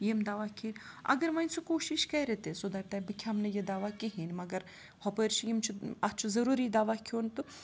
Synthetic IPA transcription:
jimd̪aːʋakʰin | ɐ̰ɡɐɾmɐnʲsukoːʃiʃkɐɾet̪esod̪ɐɾt̪ɐbɨkʲʰamnɐjɐd̪aːʋakiɦinmɐɡɐɾ | hopəɾt͡ʃʰijimt͡ʃʰuɐt͡ʃʰuzɐɾuːɾid̪aːʋakʰʲoːnt̪u

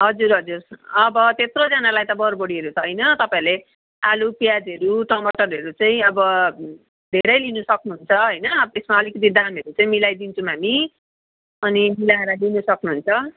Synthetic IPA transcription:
ɦʌd͡zuɾɦʌd͡zurʌbʌt̪et̪rod͡zʌnalajt̪ʌbʌɾbʌɽiɦʌɾutʰʌjnʌt̪ʌpaiɾle | alupjad͡zɦʌɾuʈʌmʌʈʌɾɦʌɾut͡saĩʌbʌ | d̪ʱeɾʌjlinusʌknuɦunt͡sʰʌɦʌjnʌb̪esmaʌlikʌt̪̬id̪amʌɾut͡saĩmilajd̪int͡sʰumami | ʌnimilaɦeɾʌlinusʌknuɦunt͡sʰʌ

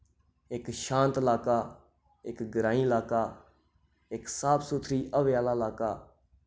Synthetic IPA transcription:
ɪkʃãːnt̪əlaːkaː | ɪkɡəɾãːiːlaːkaː | ɪksaːpsuːt̪ʰɾiːʔəʋɪjaːlaːlaːkaː

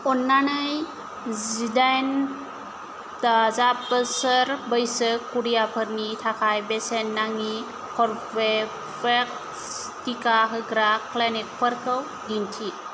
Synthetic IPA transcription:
ɔnːanɯj | zidajn | tazapəsəɾbəjsɯkʰːuɾijapʰɯɾnitʰakʰajbesenːaŋi | kʰɔɾpʰe | pʰek̚ | tikaɦɯɡɾaklanik̚pʰəɾkʰəw | dintʰi

